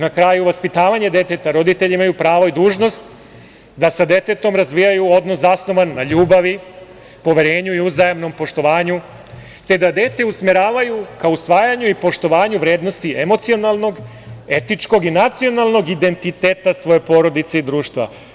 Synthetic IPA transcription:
nakɾajuʋaspit̪aːʋaɲe̞d̪e̞t̪e̞t̪aɾo̞d̪it̪eʎiimajupɾaːʋoid̪uːʒno̞st̪ | d̪asad̪e̞t̪e̞t̪o̞mɾazʋijajuo̞d̪no̞szasno̞ʋanːaʎuːbaʋi | po̞ʋeɾe̞ːɲuiuzajamno̞mpo̞ʃt̪o̞ʋaːɲu | t̪e̞d̪ad̪e̞ːt̪e̞usmeɾaːʋajukausʋaːjaɲuipo̞ʃt̪o̞ʋaːɲuʋɾe̞ːd̪no̞st̪iʔe̞mo̞t̪sio̞nalˠno̞ɡ | e̞t̪it͡ʃko̞ɡinat̪sio̞nalˠno̞ɡid̪e̞nt̪it̪e̞ːt̪asʋo̞je̞po̞ɾo̞d̪it̪se̞id̪ɾuːʃt̪ʋa̰

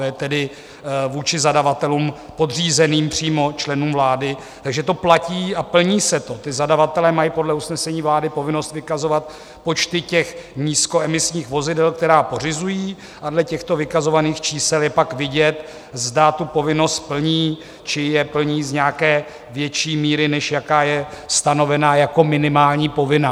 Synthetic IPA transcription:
jɛt̪ɛdɪ | vuːt͡ʃɪzadavat̪ɛluːm | po̞dr̝iːzɛniːmpr̝̥iːmo̞t͡ʃlɛnuːmvlaːdɪ | t̪aɡʒɛt̪o̞placiːapl̩ɲiːsɛt̪o̞t̪ɪzadavat̪ɛlɛːmajipo̞dlɛusnɛsɛɲiːvlaːdɪpo̞vɪno̞st̪vɪkazo̞vat̪ | po̞t͡ʃt̪ɪcɛxɲiːsko̞ɛmɪsɲiːxvo̞zɪdɛlkt̪ɛɾaːpo̞r̝ɪzujiː | ʔadlɛcɛxt̪o̞vɪkazo̞vaniːxt͡ʃiːsɛljɛpakvɪɟɛt̪ | zdat̪upo̞vɪno̞st̪̚pl̩ɲiː | t͡ʃɪjɛpl̩ɲiːzɲakɛː | vjɛt͡ʃiːmiːɾɪnɛʃjakaːjɛst̪ano̞vɛnaːjako̞mɪnɪmaːlɲiːpo̞vɪna

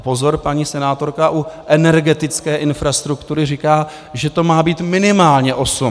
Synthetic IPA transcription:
po̞zo̞ɾpaɲiːsɛnaːt̪o̞ɾkaʔuʔɛnɛɾɡɛt̪ɪt͡skɛːʔɪnfɾast̪ɾukt̪uɾɪrikaː | ʒɛt̪o̞maːbiːt̪mɪnɪmaːlɲɛʔo̞sum

